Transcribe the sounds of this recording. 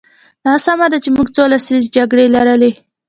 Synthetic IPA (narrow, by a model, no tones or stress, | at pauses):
nɑsamad̪at͡ʃemuɡt͡solasizd͡ʒaɡɽelaɾəle